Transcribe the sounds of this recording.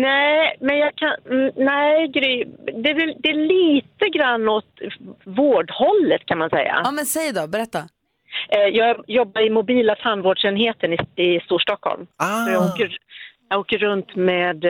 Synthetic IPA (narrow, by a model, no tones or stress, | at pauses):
nɛmɛnjɑːkʰannɛɪɡɾʏd̪ɛd̪ɛæɭiːt̪əɡɾanːɔt̪voːɖhɔlːət̪kʰanmansɛ̰jːa̰mɛnsɛjd̪ɔbɛɾɛt̪ːa | jɑːɡjɔbːaɾɪmʊbiːlat̪ʰanvoːɖʂɛnɦeːt̪ənɪɪst̪uːʂʈɔkhɔ̰lmsɔjɑːɡoːkəɾjɑɡoːkəːɵnt̪meːd̪